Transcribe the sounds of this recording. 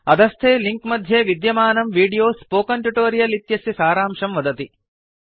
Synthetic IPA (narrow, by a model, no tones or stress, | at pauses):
ɐd̪ɐst̪ʰeːliŋkmɐd̪ʱjeːʋid̪jɐmaːnɐmʋiːɖijoːspoːkɐɳʈjuʈoːɾijɐlit̪jɐsisaːɾaːmʂɐmʋɐd̪ɐt̪i